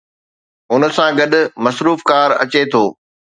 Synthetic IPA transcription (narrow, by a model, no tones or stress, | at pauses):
ʊnəsãɡɐɗʊmɐsɾuːfkaːɾɐ̰t͡ɕet̪ʰoː